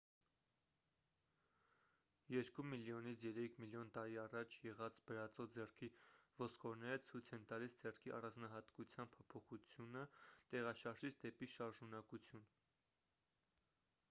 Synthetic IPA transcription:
jɛɾkumiljɔnit͡sʰjɛɾɛkʰmiljɔnt̪ɑɾiɑrɑt͡ʃʰjɛʁɑt͡sbəɾɑt͡sɔd͡zɛrkʰivɔskɔɾnɛɾət͡sʰujt͡sʰɛnt̪ɑlisd͡zɛrkʰiʔɑ̰rɑnd͡znɑɦɑt̪kut͡sʰjɑn̚pʰɔpʰɔχut͡sʰjunət̪ɛʁɑʃɑɾʒit͡sʰd̪ɛpiʃɑɾʒunɑkut͡sʰjun

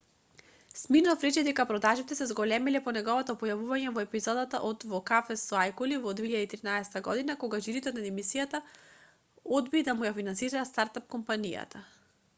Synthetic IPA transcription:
sminɔfɾɛt͡ʃɛd̪ɛkapɾɔd̪aʒit̪ɛsɛzɡɔlɛmɛlɛpɔnɛɡɔvɔt̪ɔpɔjavuvaɲɛvɔɛpizɔd̪at̪a̰ʔɔd̪vɔkafɛsɔajkulivɔd̪veiʎad̪ait̪ɾinaɛsɛ̥t̪aɡɔd̪inakɔɡaʒiɾit̪ɛnad̪ɛmisijat̪a | ɔd̪bid̪amujafinansiɾaːst̪aɾt̪ap̚kɔmpanija̰t̪ʰa

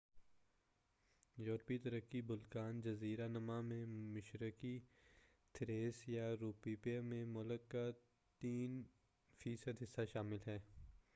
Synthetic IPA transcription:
jɔːɾpit̪ɐɾəkːibʊlkaːnd͡ʒɐziːɾanɐmãmẽmɪʃɾəki | t̪ʰɾeːsjaɾuːpiːpamẽmʊləkːa | t̪iːn | fiːsəd̪ɦɪsːaʃaːmɪlɦɛː

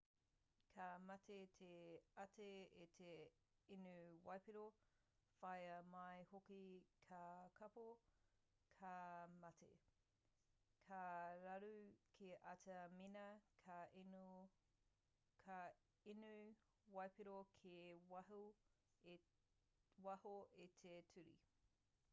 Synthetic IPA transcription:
kʰamɐtet̪ʰeɐtʰeet̪ʰe | inuwɐjpiɾo | fɐjɐmɐjhokikʰakʰɐpo | kʰamɐtʰḛ | kʰaɾɐɾukʰeʔɐtɐminɐkʰa | kʰa | inu | wɐjpiɾokʰewɐɦu | wɐhoetʰetʰʉɾḭ

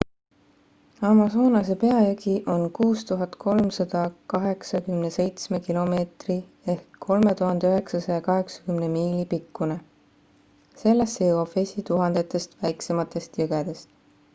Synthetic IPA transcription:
ɑmɑsoːnɑse̞pe̞ɑjɑɡiʔo̞nkuːst̪uɦɑd̪̥kʰo̞lmsɑd̪̥ɑkɑɦe̞ksɑkymnese̞jt̪sme̞kilo̞me̞ːt̪ri | e̞hkʰːo̞lme̞t̪uɦɑnd̪̥eyɦe̞ksɑsɑjɑkɑɦe̞ksɑ̥kymnemiːlipikːune | se̞lːestːejuwɑ̥fesʲit̪uɦɑnd̪̥e̞t̪ːˑe̞st̪væjkse̞mɑt̪ːˑe̞st̪juɡ̥ed̪̥e̞st̪

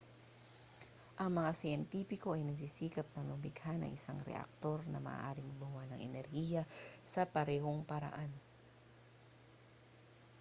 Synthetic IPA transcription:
ʔɐŋmɐŋasɪjɛnt̪iːpɪko̞ʔɐjnɐɡsisiːkɐp̚nɐŋlʊbɪɡhanɐ̰ŋʔɪsaŋɾɛ̰ʔɐ̰k̚t̪o̞ɾnɐ̰mɐ̰ʔʔa̰ːɾɪŋbuwanɐŋɛnɛɾhiːjɐsɐpɐɾɛːɦoŋpɐɾa̰ʔan

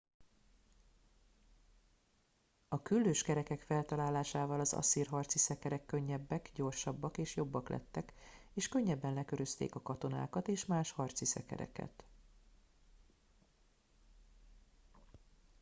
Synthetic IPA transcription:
ɒkylːøːʃkɛɾɛkɛkfɛlt̪ɒlaːlaːʃaːvɒlɒzɒ̰siːrɦɒrt̪sisɛkɛɾɛkːø̞ɲːɛbːɛkɟo̞rʃɒbːɒkeːʃjo̞bːɒklɛ̰t̪ːɛkeːʃkø̞ɲːɛbːɛnlɛkø̞ɾøst̪ḛːkɒkɒt̪o̞na̰ːkɒt̪eːʃmaːʃhɒrt̪sisɛ̰kɛ̰ɾɛ̰kɛ̰t̪

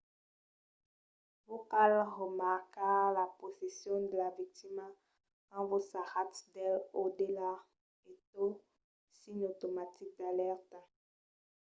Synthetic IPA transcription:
vokalʁəmaʁkalaposesjɔ̃d̪əlavik̚t̪ima | kɑ̃vosaʁat̪d̪ɛlod̪ela | et̪o | siɲot̪omat̪ik̚d̪alɛʁt̪a

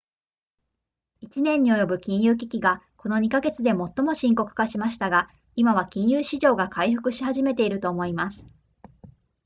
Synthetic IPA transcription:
it͡ɕinẽ̞ɲ̟ːio̞jo̞bɯ̟kʲĩɰ̃jɯ̟ːk̬ʲikʲiɡako̞no̞ɲ̟ikaɡe̞t͡sɨd̪e̞mo̞t̪ːo̞mo̞ɕĩŋko̞kɯ̟̥kaɕimaɕi̥t̪aɡa | imaβ̞akʲĩɰ̃jɯːɕiʑo̞ːɡakʰaiɸɯ̟kɯ̟ɕihaʑime̞t̪e̞iɾɯ̟t̪o̞ːmo̞imasɨ̥

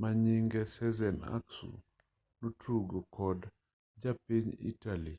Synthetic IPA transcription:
maɲiŋɡɛsɛzɛna̰ksṵ | nutʰuɡokɔd | d͡ʒapiɲḭtali

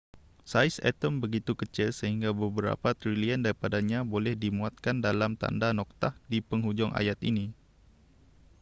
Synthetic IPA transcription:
sajsɛ̰t̪ɔmbəɡit̪ukət͡ʃilsəɦiŋɡabəbəɾa̰pat̪ɾiliəndaɾipadaɲabolɛhdimuat̪̚kandalamt̪a̰ndanɔk̚t̪ahdipəŋɦud͡ʒɔŋʔa̰jat̪ini

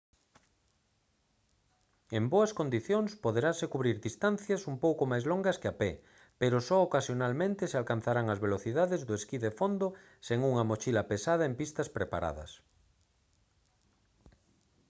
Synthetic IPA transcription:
emboɐskond̪iθjoŋspoðeɾasekuβɾiɾðist̪anθjɐsumpowkomajzloŋɡɐskɪapɛ | peɾʊsɔokasjonalmẽnt̪ɪsealkan̟θaɾaŋɐzβeloθiðaðɪzðʊeskiðefond̪o | seŋuŋɐmot͡ʃilɐpesað̞ɐempist̪ɐspɾepa̰ɾa̰ðɐ̰s

